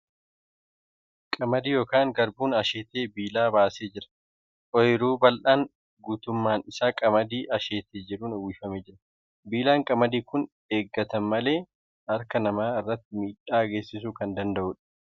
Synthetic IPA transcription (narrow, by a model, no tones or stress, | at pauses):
kʼɐmɐd̪iːjo̞ːkaːŋɡɐɾbuːnɐʃeːt̪eːbiːlaːbaːseːd͡ʒɪɾɐ̥ | ʔʼɔjɾuːbɐlʔaːŋ | ɡuːt̪ʊmːaːnɪsaːkʼɐmɐd̪iːʔɐʃeːt̪eːd͡ʒɪɾuːnʊwɪfɐmeːd͡ʒɪɾɐ | biːlaːŋkʼɐmɐd̪iːkʊn | eːɡːɐt̪ɐnmɐle̞ː | ɐɾkɐnɐmaːɪrːɐt̪ːɪmiːᶑaːɡeːsɪsuːkɐnd̪ɐnd̪ɐʔʊːᶑɐ̥